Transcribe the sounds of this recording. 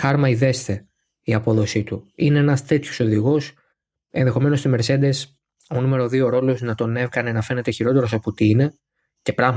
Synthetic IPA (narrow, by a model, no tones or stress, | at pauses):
xɐɾmɐiðe̞st̪e̞ | iɐpo̞ðo̞sit̪uinenɐst̪e̞t̪ço̥so̞ðiɣo̞s | e̞nðe̞xo̞me̞no̞st̪imeɾse̞d̪es | o̞nume̞ɾo̞ðio̞ɾo̞lo̞znɐt̪o̞ne̞fkɐne̞nɐfe̞ne̞t̪e̞çiɾo̞t̪e̞ɾo̞sɐpot̪iine̞ | ce̞pɾɐɣ